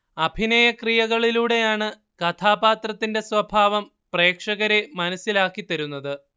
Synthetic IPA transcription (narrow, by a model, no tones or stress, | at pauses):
ɐbʱinɐjɐkrijɐɣɐɭiluːɽe̞jaːɳɨ | kɐt̪ʰaːbaːt̪rɐt̪ːinde̞sʋɐbʱaːʋɐm | pre̞ːkʂɐɣɐɾemɐnɐsːilaːkːit̪ɐɾunːɐðɨ